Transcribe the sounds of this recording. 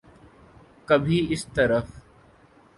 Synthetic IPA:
kəbʱiːɪst̪əɾəf

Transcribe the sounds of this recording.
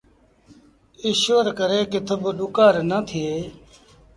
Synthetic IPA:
ɪʃoːɾkəɾeːkɪt̪ʰəbɗʊkaːɾnəːt̪ʰɪeː

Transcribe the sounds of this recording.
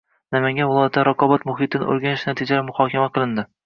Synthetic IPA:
namaŋɡʲavɪlˠɒjat̪ːaɾɒqɒbat̪mʊɦit̪ɪnʔo̰ɾɡʲanɪʃnat̪ʰid͡ʒalamʊhɒkʲʰamaqʰɨlˠɪnd̪ɪ

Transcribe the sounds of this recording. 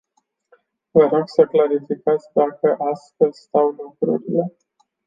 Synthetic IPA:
vəɾo̞ɡsəklaɾifikat̪sʲd̪akəʔasfelzʲst̪awlukɾṵɾile̞

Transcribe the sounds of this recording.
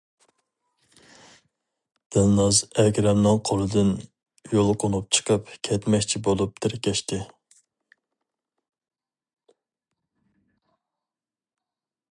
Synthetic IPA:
d̪̥ɪlˠnɑzɛɡʲɾɛmnɨŋqʰolˠɨd̪ɪn | jolˠqʰʊnup̚t͡ʃʰə̥qʰəpkʲʰɛt̪mɛkʲt͡ʃʰibolˠup̚d̪ʰɪɾɪkʲɛʃt̪ɪ

